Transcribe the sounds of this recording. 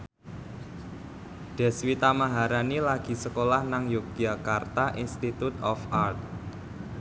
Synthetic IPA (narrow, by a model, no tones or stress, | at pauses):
ɖ̥ɛ̤swit̪amaɦaɾanilaɡ̥i̤səkolahnaŋjok̚d̥akart̪aʔinst̪it̪ut̪ɔfart̪̚